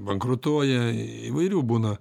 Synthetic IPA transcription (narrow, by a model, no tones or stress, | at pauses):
bɐŋkɾʊt̪uɔjɛ | ḭʋɐɪɾʲuːbuːnɐ